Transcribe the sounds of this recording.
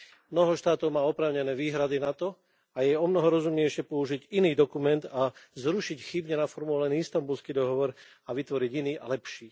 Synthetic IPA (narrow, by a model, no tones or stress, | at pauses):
mnɔɦɔʃt̪aːt̪ɔʊmaːɔpɾaːʊɲɛnɛːʋiːɦɾad̪inat̪ɔ | ajɛɔmnɔɦɔɾɔzumɲɛjʃɪɛpɔuʒiɟiniːd̪ɔkumɛnd̪azɾuʃicxibɲɛnafɔɾmulɛniːist̪ambulskiːd̪ɔɦɔʋɔɾ | aʋit̪ʋɔɾiɟiniːʔa̰lɛpʃiː